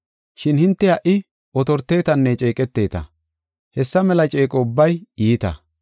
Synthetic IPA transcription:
ʃɪnhɪnt̪ːɛɐʔɪ | ʔɔt̪ɔɾt̪ːe̞ːt̪ɐnːɛt͡ʃʼe̞ːkʼɛt̪ːe̞ːt̪ɐ̰ | hɛsːɐmɛlɐt͡ʃʼe̞ːkʼɔʊbːɐjiːt̪ɐ̰

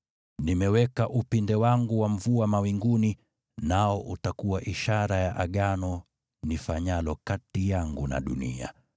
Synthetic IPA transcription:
nimɛwɛkaʔupindɛwaŋɡuwaɱ̩vuamawiŋɡuni | naɔʔutakuwaʔiʃaɾajaʔaɠanɔ | nifaɲalɔkatijaŋɡuna̰ɗṵnḭa̰

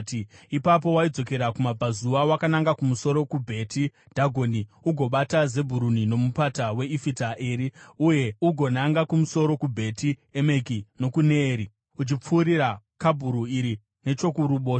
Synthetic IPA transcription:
tipap̬o̞waid͡zo̞ke̞ɾakumab͡vʱazuʋawakanaŋɡakumuso̞ɾo̞kubʱe̞tʰi | d̥ʱaɡʱo̞niuɡʱo̞ɓataze̞bʱuɾunino̞mupatawe̞ifitaʔeɾiuje̞uɡʱo̞naŋɡakumuso̞ɾo̞kubʱe̞tieme̞kino̞kuneːɾi | ut͡ʃip͡fuːɾiɾa | kabʱuɾuiɾi | ne̞t͡ʃo̞kuɾuɓoː

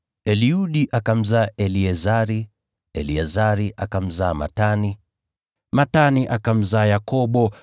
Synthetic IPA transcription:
ɛliuɗiʔakam̩zaːʔɛliɛzaɾi | ɛliɛzaɾiʔakam̩zaːma̰tani | mataniʔakam̩zaːjakɔɓɔ

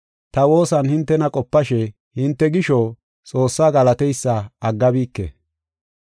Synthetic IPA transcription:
t̪ɐwo̞ːsɐnhɪnt̪ːɛnɐkʼɔpːɐʃɛ | hɪnt̪ːɛɡɪʃo | t͡sʼo̞ːsːaːɡɐlɐt̪ɛjsːɐɐɡːɐbiːkːɛ̰

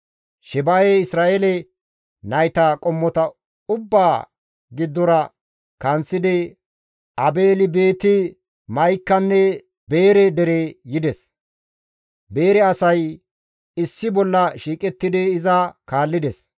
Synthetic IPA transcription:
ʃɛbajeɪsɾaːʔelɛ | nɐjt̪ɐkʼɔmːɔt̪ɐ | ʊbːaː | ɡɪd̪ːɔɾɐ | kɐnt͡sːɪd̪ɛ | ɐbeːlɪbe̞ːt̪ɪ | mɐjkːɐnːɛ | be̞ːɾɛd̪ɛɾejɪd̪ɛs | be̞ːɾɛɐsɐj | ɪsːɪbɔlːɐʃiːkʼɛt̪ːɪd̪ɛɪzɐkaːlːɪd̪ɛs

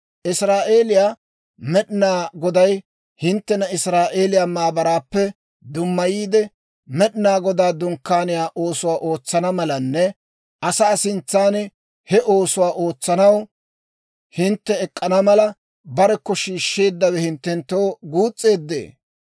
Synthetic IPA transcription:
ʔɪsɾaːʔe̞ːlɪjaː | mɛɗɪnaːɡɔd̪ɐj | hɪnt̪ːɛnɐɪsɾaːʔe̞ːlɪjaːmaːbɐɾaːpːɛ | d̪ʊmːɐjiːd̪ɛ | mɛɗɪnaːɡɔd̪aːd̪ʊŋkːaːnɪjaːʔo̞ːsʊwaːʔo̞ːt͡sːɐnɐmɐlɐnːɛ | ʔɐsaːsɪnt͡sːaːn | hɛʔo̞ːsʊwaːʔo̞ːt͡sːɐnɐw | hɪnt̪ːɛɛkʼːɐnɐmɐlɐ | bɐɾɛkːɔʃiːʃːe̞ːd̪ːɐwɛhɪnt̪ːɛnt̪ːo̞wɡuːt͡sʼːe̞ːd̪ːḛː

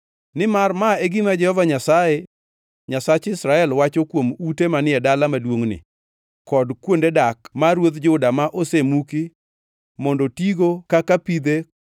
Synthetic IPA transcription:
nɪmarmaeɡimad͡ʒɛhɔvaɲasaje | ɲasat͡ʃɪsɾaɛlwat͡ʃokwomutemanɪɛdalamadwoŋnɪ̰ | kɔdkwondedakmaɾwot̪d͡ʒʊdamaʔosemuki | mɔndɔtiɡokakapid̪e

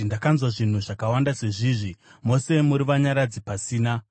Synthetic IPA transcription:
ndakanzwaʐin̤uʐakawandase̞ʐiːʐimo̞se̞muɾiʋaɲaɾad͡zipasiːna

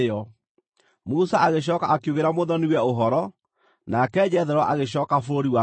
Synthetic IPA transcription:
ɔ | musaaɣeɕ̬ɔːkaakjuɣeɾamoðɔniwɛoɦɔɾɔ | nakɛːd͡ʑɛðɛɾɔʔaɣeɕɔːkafoɾiwa

